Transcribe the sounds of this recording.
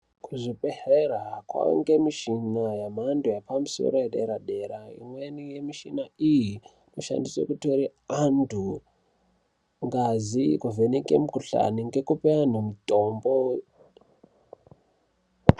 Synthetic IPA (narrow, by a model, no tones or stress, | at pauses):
kʰuʐiɓeheɾakwa̰ŋɡemiʃinajamandujapamuso̰ɾojeɗeɾaɗe̞ɾaḭmwenijemiʃinaiji | noʃa̰ndiswḛkutoɾiandʱu | ŋɡazikuvenikḛmukuɬa̰niŋɡe̞kupean̤umitʼombo